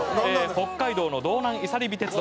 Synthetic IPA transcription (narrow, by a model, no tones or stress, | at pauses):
eho̞kːaid̪o̞ːnod̪o̞ːnãɰ̃isaɾʲibʲit̪e̞t͡sɨd̪